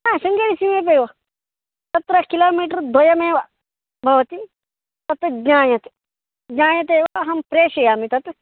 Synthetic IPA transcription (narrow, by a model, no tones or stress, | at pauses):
nasɐŋɡɐɾisimẽːp̬eʋɐ | sɐt̪ɾɐkilaːmiːʈɐɾd̪ojɐmẽːʋa | bʱɐʋɐt̪i | t̪ɐt̪ɡɲaːjɐt̪ | ɡɲaːjɐt̪̬eːʋaɦɐmpɾeːʃɐjaːmit̪ɐt̪